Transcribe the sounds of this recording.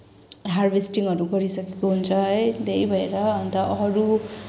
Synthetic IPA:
ɦarbesʈiŋʌɾuɡʌɾisʌkekoɦunt͡sʰʌʌjd̪ʱejbʱʌeɾʌːnt̪ʌʌɾu

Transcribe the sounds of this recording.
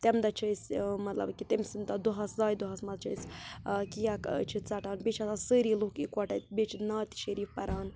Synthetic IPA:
t̪emd̪ɐt͡ʃʰɐjsmɐt̪lɐ̰bkit̪emsɨnd̪ɐd̪uɦɐszaːjd̪uɦɐsmɐzt͡ʃʰɐskijakt͡ʃʰɨt͡sɐʈaːnbet͡ʃʰɐsasəɾiːluhkikʷɔʈɐt̪̚bet͡ʃʰinaːt̪i̥ʃɐɾiːfpɐɾaːn

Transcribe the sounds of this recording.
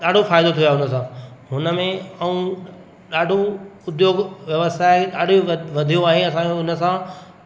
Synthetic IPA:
ɗaːɖ̤ʱofaːɪd̪ot̪ʰiojaɦʊnə̆sãɦʊnə̆mẽɐũ | ɗaːɖʱoʊd̪joːɡʋjɐʋəsaːɪɗaːɖʱiʋɐd̪ʱijõaːɦeɐsãːʊnə̆sã

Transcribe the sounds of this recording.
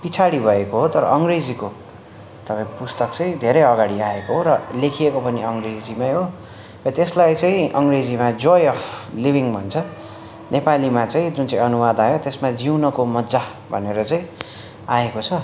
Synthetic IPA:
pit͡sʰaɽibʱʌekoɦot̪ʌɾʌ̰ʌŋred͡ziko | t̪ʌpãĩpust̪ʌkt͡sʌĩd̪ʱeɾʌjʌɡaɽiaekoɦoɾʌlekʰiekopʌniʌŋred͡zimaɦo | rʌt̪eslajt͡saĩʔʌŋɡred͡zimad͡zojʌpʰlibʱiŋbʱʌnt͡sʰʌ | nepalimat͡sãĩd͡zunt͡saĩʌnuwad̪ajot̪esmad͡ziwnʌkomʌd̪d͡za | bʱʌneɾʌt͡saĩ | aekot͡sʰʌ

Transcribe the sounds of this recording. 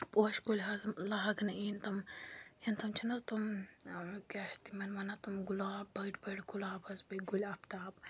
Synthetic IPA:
poʃɡulʲɦɐzlɐɦɐɡnɐint̪ɐmint̪ɐmt͡ʃʰinɐzt̪um | kʲaʃt̪imɐnʋɐnɐt̪umɡulaːbbɐjʈbɐʈɡulaːbɐzbɐɡulʲɐpt̪aːb

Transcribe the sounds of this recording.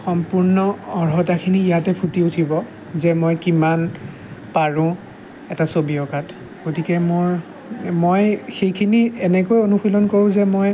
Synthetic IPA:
xɔmpuɹnɔɔɹɦɔtakʰiniijatɛpʰutiutʰibɔ | zɛmojkiman | paɹʊ̃ | ɛtasobiɔkat | ɡotikɛmoɹ | mojxejkʰiniɛnɛkojonuxilɔnkoɹʊ̃zɛmoj

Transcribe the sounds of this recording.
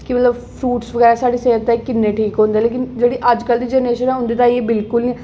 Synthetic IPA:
kimət̪ləb | pʰɾuːʈsʋəɡɛːɾaːsaːɖiːseːɦət̪ːɛːkɪnːeːʈʰiːkɦõːnd̪eɛːleːkɪnd͡ʒeːɽiːʔəd͡ʒkəld̪iːd͡ʒɛːneːʃənɛːɦʊ̃nd̪eːt̪ãːeːbɪlkʊli

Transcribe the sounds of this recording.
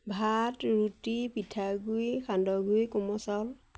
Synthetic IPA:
bʱatɹutipitʰaɡujxandɔɡujkɔmɔsal

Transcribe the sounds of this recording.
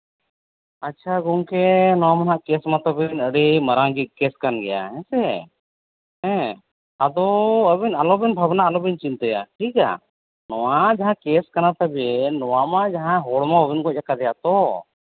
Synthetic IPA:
ətːt͡ʃʰaɡɔŋkɛnɔwamanɦaʔkɛsmat̪əbɛnəɽiməɾaŋd͡ʒikɛskanɡɛja̰ɦɛ̃sɛ | ɦɛ̃ | ad̪ɔəbɛnalɔbɛnbʱəbnaʔalɔbint͡ʃint̪əja̰ʈʰika̰ | nɔwad͡ʒaɦãkɛskanat̪əbɛnɔwamad͡ʒaɦãɦɔɽmaɔbinkɔˀakad̪ɛjat̪ɔ

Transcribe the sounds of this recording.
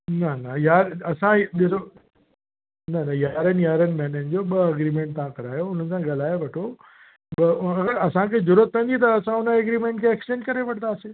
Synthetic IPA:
nɐnɐjaːɾɐsãɗɪso | nɐnɐjaːɾənɪjaːɾənmɛːnənɪ̆d͡ʑoɓɐɐɡɾiːmẽːɳʈ̚t̪ɐãkɐɾaːjoʊn̤ənɪ̆sãɡɐl̤aːjeʋɐʈʰo | ɓɐɐɡəɾɐsãkʰezʊɾət̪̚kʰẽːnd̪it̪ɐːsãʊnəɐɡɾimẽɳʈkʰeːksʈẽːnd͡ʒkɐɾeʋɐɽ̤̃ʰnd̪aːseː

